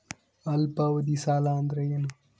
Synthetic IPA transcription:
ɐlpawɐd̪isaːland̪ɾɐjenɐ

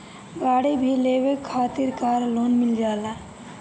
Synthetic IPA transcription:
ɡaːɽibʱileʋekʰːaːt̪iɾkaɾloːnmild͡ʒaːla

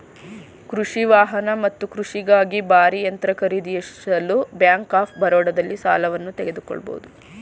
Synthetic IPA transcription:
kɾuʂiʋaːɦɐnɐmɐt̪ːukɾuʂiɡaːɡibaːɾijɐnt̪ɾɐkɐɾid̪ijɐɐlubjaːŋkaːpʰbɐɾɔːɽɐd̪ɐlːisa̰ːlɐʋɐnːut̪ɛɡe̞d̪ukɔ̰ɭːɐbo̰ud̪u

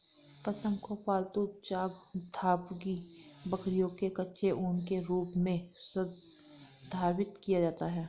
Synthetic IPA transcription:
pɐsə̃nɡ̪kopaːlt̪ut͡ʃaːɡd̪ʱaːpɡibəkɾijõkekɐtːʃʰeʔʊnkeɾuːpmẽsə | d̪ʱaːɾwɪt̪kijad͡ʒaːt̪aɦɛː

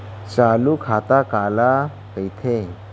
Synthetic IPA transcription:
t͡salukʰat̪akala | kəjt̪ʰe

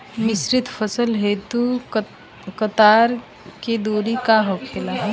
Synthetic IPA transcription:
mɪsɾɪt̪ʰpʰəsəlɦeːt̪u | kət̪aːɾ | ked̪oːɾikaɦokʰelaɦɛ

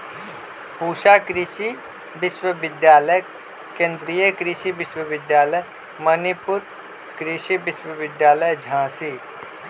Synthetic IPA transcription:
puːʃakɾɪʃi | bɪʃwəʋɪd̪jaːləj | kẽːnd̪ɾijəkɾɪʃiʋɪʃwəʋɪd̪jaːləj | mɐnipʊɾ | kɾɪʃibɪʃwəʋɪd̪jaːləjd͡ʒʱãːsiː

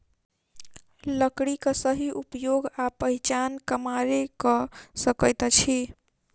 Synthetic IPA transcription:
ləkɽikəsəɦiʔupjoɡapəɦit͡ʃankəmaɾekʌsəkəjt̪t͡ʃʰi

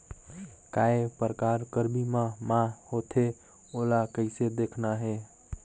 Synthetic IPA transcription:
kaepəɾkaɾkəɾbimãmahot̪ʰe | olakəɪsed̪ekʰnaɦe

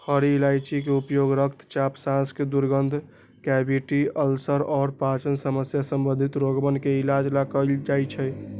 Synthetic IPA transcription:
həɾiːlajt͡ʃik̬eupjoɡɾəkʰt̪ʰt͡ʃapsãsked̪uɾɡənd̪ʱ | kɛbiʈiəlsəɾɔːɾpat͡ʃənsəməsjasəmbənd̪ʱit̪ɾoɡbənkeilad͡ʒlakəld͡ʒajt͡ʃʰɛj

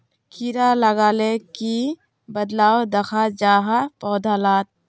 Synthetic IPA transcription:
kiɾaləɡaːleki | bəd̪laːwd̪əkʰad͡ʒaːɦapɔːd̪ʱaːlaːt̪̚

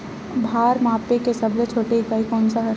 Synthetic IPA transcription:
bʱaːɾmaːpekesɐblet͡ʃʰoːʈeɦikaɦikɔːnsaɦɐɾ

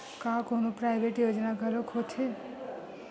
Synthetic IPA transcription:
kãkonopɾajbʱeʈjod͡ʒnaɡʱəlokʰot͡ʃʰe

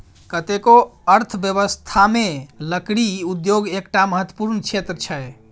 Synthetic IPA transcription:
kət̪ekoəɾt̪ʰbjəβəst̪ʰameləkɽiud̪joɡekʈaməɦət̪wə̥puɾnt͡ʃʰet̪ɾət͡ʃʰəj

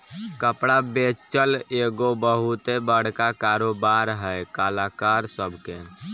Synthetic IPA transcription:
kəpɽabet͡ʃəleɡobəɦut̪ebəɽ̤kakaɾobaɾɦɛjkalakaɾsəbʱke

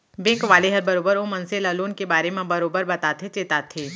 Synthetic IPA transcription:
bẽːkʋaːleɦɐɾbɐɾoːbəɾomɐ̃nselaloːnkebaːɾemẽbɐɾoːbəɾbɐt̪aːt̪ʰet͡ʃeːt̪aːt̪ʰeː

